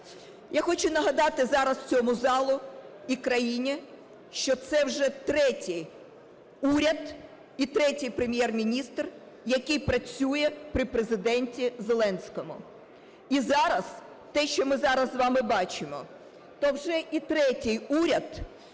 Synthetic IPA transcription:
jaxɔt͡ʃʊnɐɦɐd̪ɑt̪ɪzɑɾɐst͡sʲɔmʊzɑlˠʊikɾɐjinʲi | ʃt͡ʃɔt̪sɛwʒɛt̪ɾɛtʲɪj | uɾʲɐd̪ | it̪ɾɛtʲɪjpɾemʲjɛrmʲinʲist̪r | jɐkɪjpɾɐt͡sʲujɛpɾʲɪpɾezɪd̪ɛnʲtʲizelˠɛnʲsʲkɔmʊ | izɑɾɐs | t̪ɛʃt͡ʃɔmɪzɑɾɐzːʋɑmɪbɑt͡ʃɪmɔ | t̪ɔwʒɛʔit̪ɾɛtʲɪjuɾʲɐd̪̥

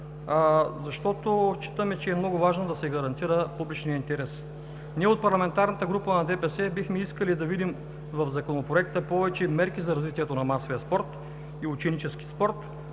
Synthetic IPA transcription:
zɐʃt̪ɔt̪oʃt͡ʃi̥t̪əmɛt͡ʃɛɛmnɔɡʊvaʒnod̪ɐsɛɡɐɾɐnt̪iɾəpublit͡ʃnijəint̪ɛɾɛs | niɛot̪̚pɐɾlˠɐmɛnt̪aɾnɐt̪əɡɾupənɐd̪ɛpɛsɛbixmɛiskəlid̪ɐvid̪im | vɐvzɐkonopɾoɛk̚t̪əpɔvɛt͡ʃɛmɛɾk̟izɐɾɐzvit̪iɛt̪onɐmasovijɐspɔɾt̪ | iut͡ʃɛnit͡ʃɛsk̟ʲi̥spɔɾt̪

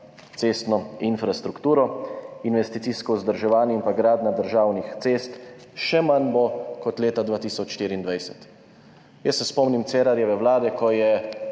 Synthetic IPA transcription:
t̪seːst̪nɔinfɾast̪ɾukt̪uːɾɔinʋɛst̪it̪siːskɔuzd̪əɾʒɛʋaːnjɛinpaɡɾaːd̪nad̪əɾʒaːwnixt̪seːst̪ | ʃɛmanbokɔt̪leːt̪ad̪ʋaːt̪iːsɔt͡ʃʃt̪iːɾiːnd̪ʋajsɛ̥t̪ | jəsːɛspɔmnimt̪seːɾaɾjɛʋɛwlaːd̪ɛkʰɔjɛ

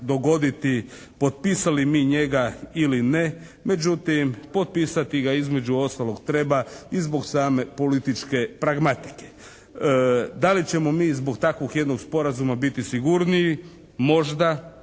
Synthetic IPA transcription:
d̪o̞ɡo̞d̪it̪i | po̞t̪̚piːsalimiːɲeɡailine̞ | me̞d͡ʒut̪impo̞t̪̚piːsat̪iɡaizme̞d͡ʒuo̞st̪alo̞ɡt̪ɾe̞baizbo̞ɡsaːme̞po̞lit̪it͡ʃke̞pɾaɡmat̪i̥ke̞̥ | d̪alit͡ɕe̞mo̞miːzbo̞ɡt̪akʋoɡjed̪no̞ɡspo̞ɾazumabit̪isiɡuɾniji | mo̞ʒd̪a

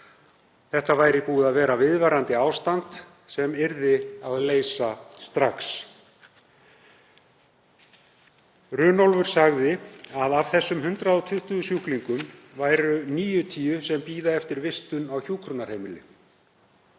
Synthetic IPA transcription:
θɛht̪avaːjɾipuːðaðvɛːɾavɪðvajɾant̪ɪawst̪ant̪ | sɛmɪɾðɪaðleːjsast̪ɾaks | rʏːnowlvʏɾ̥saɣðɪaðav̥θɛsːʏmɦʏnt̪ɾaðɔwt̪ʰʏht̪ʏʏsjuhkliŋkʏm | vajɾʏniːjʏt̪ʰiːʏsɛmpiːðaɛft̪ɪɾvɪst̪ʏnawçuːkʰɾunaɾhejmɪlɪ̰

